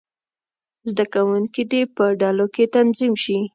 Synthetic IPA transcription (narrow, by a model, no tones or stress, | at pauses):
zd̪akawuŋkid̪epəɖɑloket̪anzimʃi